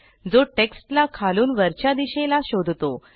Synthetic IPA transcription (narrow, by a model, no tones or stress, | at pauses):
d͡zoʈeksʈlakʰaluːnʋəɾt͡ɕjad̪iɕelaɕod̪ʱt̪o